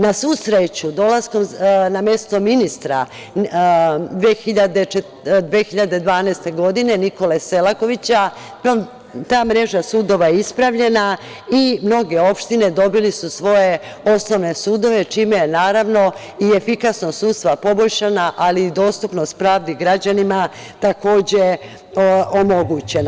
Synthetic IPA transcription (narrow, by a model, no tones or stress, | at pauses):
nasuːsɾet͡ɕud̪o̞lasko̞mnamje̞st̪o̞minist̪ɾa̰ | d̪ʋexiʎad̪et͡ʃe | d̪ʋeːxiʎad̪e̞d̪ʋaːnaest̪e̞ɡo̞d̪ine̞niko̞lese̞lˠako̞ʋit͡ɕa | t̪aːmɾe̞ʒasuːd̪o̞ʋajeispɾaʋʎe̞na | imno̞ɡe̞o̞pʃt̪ine̞d̪o̞bilisusʋo̞je̞o̞sno̞ʋne̞suːd̪o̞ʋe̞t͡ʃiːmejenaːɾaʋno̞ | ie̞fikasnosuːt̪st̪ʋapo̞bo̞ʎʃanaʔaliːd̪o̞ːst̪upnost̪pɾaːʋd̪iɡɾad͡ʑanima | t̪ako̞ːd͡ʑe̞ | omo̞ɡut͡ɕe̞na